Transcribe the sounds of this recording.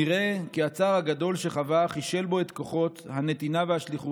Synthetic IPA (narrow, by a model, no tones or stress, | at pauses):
iʁe̞kiat͡saːʁhaɡado̞lʃe̞χavaχiʃe̞lbo̞et̪ko̞χo̞t̪hane̞t̪inavehaʃliχu